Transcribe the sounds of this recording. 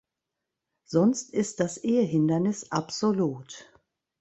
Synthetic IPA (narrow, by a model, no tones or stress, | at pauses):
z̥ɔnstɪst̚d̥asʔeːəɦɪndɐnɪsʔapz̥oluːt